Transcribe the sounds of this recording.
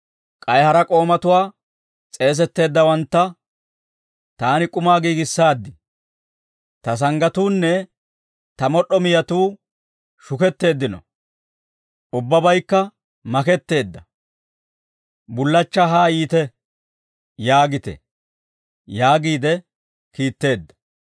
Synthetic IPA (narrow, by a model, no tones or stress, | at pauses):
kʼɐjhɐɾɐkʼo̞ːmɐt̪ʊwaː | t͡sʼe̞ːs̬ɛt̪ːe̞ːd̪ːɐwɐnt̪ːɐ | t̪aːnɪkʼʊmaːɡiːɡɪsːaːd̪ːɪ | t̪ɐs̬ɐŋɡɐt̪uːnːɛ | t̪ɐmɔɗːɔmɪjɐt̪uː | ʃʊkɛt̪ːe̞ːd̪ːɪnɔ̰ | ʔʊbːɐbɐjkːɐ | mɐkɛt̪ːe̞ːd̪ːɐ | bʊlːɐt͡ʃːaɦaːjiːt̪ɛ | jaːɡɪt̪ɛ̰ | jaːɡiːd̪ɛ | kiːt̪ːe̞ːd̪ːɐ̥